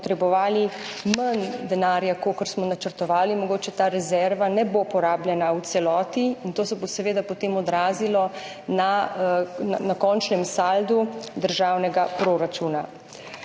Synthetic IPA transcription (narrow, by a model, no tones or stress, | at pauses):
pɔt̪ɾɛbɔʋaːli | mənd̪ɛnaːɾjakoːkəɾsmɔnat͡ʃəɾt̪ɔʋaːlimɔɡoːt͡ʃɛt̪aːɾɛzɛɾʋanɛbopɔɾaːbljɛnawt̪sɛlɔːt̪iint̪oːsɛbosɛʋeːd̪apɔt̪emɔd̪ɾaːzilɔ | na | anakɔnt͡ʃnɛmsald̪ud̪əɾʒawnɛɡapɾoɾat͡ʃuːna